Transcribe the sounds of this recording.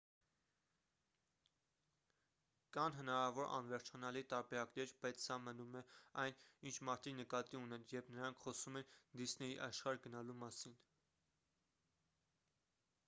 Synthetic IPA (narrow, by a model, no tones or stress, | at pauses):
kɑnɦənɑɾɑvɔɾʔɑ̰nvɛɾt͡ʃʰɑnɑlit̪ɑɾbɛɾɑknɛɾbɑjt͡sʰsɑmənumɛɑjnint͡ʃʰmɑɾt̪ʰinəkɑt̪iunɛnjɛɾpʰnəɾɑŋkʰχɔsumɛnd̪isnɛjiʔɑʃχɑɾɡənɑlumɑsin